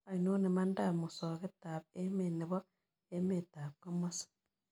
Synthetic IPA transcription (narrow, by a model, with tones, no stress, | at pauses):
a˨ino˦ne˨ma˦nda˦mu˨so˨ke˦ta˨βe˦me˨ne˨βo˦ | e˦me˨ta˨ko˦mo˦sḁ